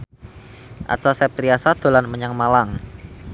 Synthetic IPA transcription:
ʔa̰tsasɛp̚t̪ɾiasad̪̥o̤lanməɲaŋmalaŋ

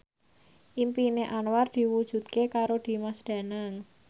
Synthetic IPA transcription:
ʔimpineʔanward̪̥i̤wud̥ʒ̥ṳt̪̚kekaɾod̪̥i̤masd̪̥ä̤naŋ

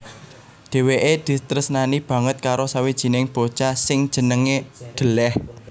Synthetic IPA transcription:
d̪̥e̤weʔed̪̥i̤t̪ɾəsnanib̥ä̤ŋət̪̚kaɾosawid̥ʒ̥i̤nɪŋb̥o̥t͡ʃasɪŋd̥ʒ̥ə̤nəŋed̪̥ə̤lɛh

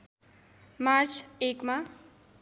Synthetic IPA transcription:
maɾt͡sʰekma

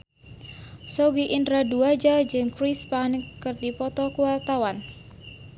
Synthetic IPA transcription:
sɔɡiʔindɾaduad͡ʒad͡ʒɨŋkɾispanəkːɨrdipɔt̪ɔkuwart̪awan

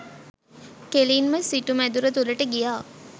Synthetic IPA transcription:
keliːnməsiʈumæd̪uɾət̪uləʈəɡijaː

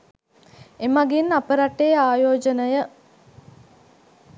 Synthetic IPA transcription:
emaɡinapəɾaʈeaːjoːd͡ʒənəjə

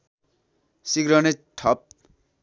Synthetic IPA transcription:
siɡɾʌneʈʰʌp̚

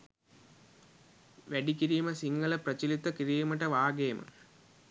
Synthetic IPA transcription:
ʋeɖikʲːiɾijumɐsiŋɡɐɭeprɐt͡ɕilit̪ːɐkiɾijɐmɐʈːɐʋaːɡeːmɐ̰

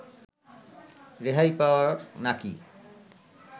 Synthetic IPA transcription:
ɾeɦajpawanaki

